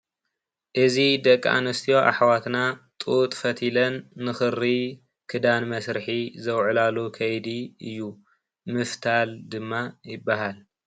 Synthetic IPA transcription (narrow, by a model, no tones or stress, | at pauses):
ʔɨzid̪ɐkʼːa̰nɨst̪ʰijo̞ʔa̰ħwat̪nat̪ʼut̪ʼfɐt̪ʰilɐnːɨxɨri | kʰɨd̪anmɐsɾħizɐwʕlalukʰɐjd̪iɨjːu | mɨft̪ʰald̪ɨmːajɪbːaɦal